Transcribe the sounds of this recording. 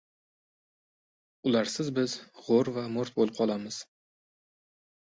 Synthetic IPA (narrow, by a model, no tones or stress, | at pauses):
ʊlaɾsɪzbɪzʁoɾvamʊɾt̪̚bolˠɪp̚qʰɒlˠamɪz̥